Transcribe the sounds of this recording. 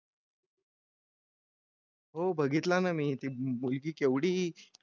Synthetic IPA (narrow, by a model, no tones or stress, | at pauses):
ɦobʱəɡit̪lanamiːt̪iːmulkiːkeʋɽiː